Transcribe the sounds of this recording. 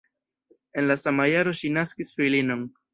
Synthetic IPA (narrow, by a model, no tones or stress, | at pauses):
e̞nlasamajaɾo̞ʃinaskisfilino̞n